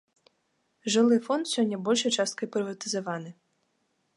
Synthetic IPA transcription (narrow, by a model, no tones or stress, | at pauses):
ʐɨlˠɪfɔnt̪sʲɔnʲːɐbɔlʲʃɐjt͡ʃast̪̚kɐipɾɪvɐt̪ɨzɐʋɑnɨ